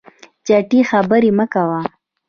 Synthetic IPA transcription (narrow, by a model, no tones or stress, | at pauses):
t͡ʃaʈixabəɾiməkawa